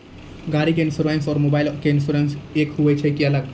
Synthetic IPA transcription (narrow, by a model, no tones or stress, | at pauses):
ɡaɾikeɪnsuɾensɔːɾmobaɪlkeɪnsuɾensekɦuɛt͡ʃʰɛkiɐləɡ̚